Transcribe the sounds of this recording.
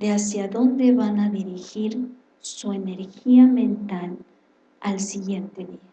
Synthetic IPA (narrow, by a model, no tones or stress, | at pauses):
d̪easjaðo̞nd̪e̞βanaðiɾixiɾ | suene̞ɾxiamẽ̞nt̪al | alsiɣje̞nt̪e̞ðia